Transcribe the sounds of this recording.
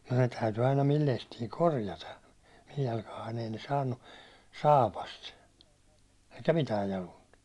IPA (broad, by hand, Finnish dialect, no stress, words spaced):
ne tæyty ɑinɑ mil lestiː korjɑtɑ mij jɑlkɑhɑin ei ne sɑːnːu sɑːpɑst eikæ mitæː jɑlunt